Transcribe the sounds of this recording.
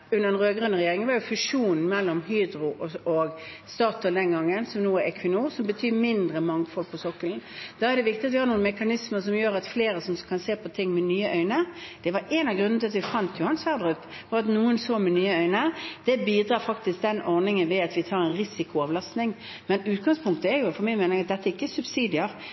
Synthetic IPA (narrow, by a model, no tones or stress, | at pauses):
ʉnːədɛnʁøːɡɾʉnəɾɛjeːɾɪŋənʋɑːjʊfʉʂuːnn̩mɛlːɔmɦyːd̪ɾʊʔɔɡ | st̪ɑːt̪ʊd̪ɛnɡɑŋːənsɔmnuːɛɾɛkʰʋɪnuːɾsɔmbət̪ʰyːmɪnd̪ɾəmɑŋfɔlpʰɔsɔkːəln̩d̪̥ɑæʁd̪ɛʋɪkt̪ɪɑt̪ʋɪhɑːnuːnmɛkɑnɪsməɾsɔmjøːɾɑt̪fleːɾəsɔmkʰɑnseːpʰɔt̪ʰɪŋːmɛnyːəʔœʏnəd̪̥ɛʋɑɾɛnɑɡɾʉnnət̪ɪlɑt̪ʋɪfɑnt̪ʰjʊhɑnsʋæːʁd̪ʁʉp | ʋɑɑt̪nuːənsoːmɛnyːəœʏnəd̪̥ɛbiːd̪ɾɑːfɑkt̪ɪsk̚d̪ɛnɔʁnɪŋənʋɛɑt̪ʋɪt̪ʰɑːɾɛnɾɪsɪkʊɑʋlɑst̪nɪŋ | mɛnʉːt̪̚ɡɑŋspʰʊŋk̚t̪əɛɾjʊfɔmæɪmɛːnɪŋɑt̪̚d̪ɛt̪ːæɪkːəsʉbsiːd̪ɪəɾ